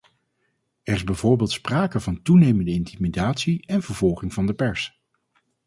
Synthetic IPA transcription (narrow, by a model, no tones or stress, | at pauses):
ɛrɪzbɛjvoːɹbeːlˠtspraːkəvɑntunejməndəɪntimidaːtsiɛnvəɹvɔlˠχɪŋvɑndəpɛɹs